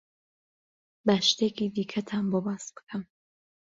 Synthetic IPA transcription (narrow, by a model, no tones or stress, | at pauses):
bæʃt̪ekʰiːd̪iːkʰɐt̪ʰaːnbobaːsb̥ɨ̥kʰɐm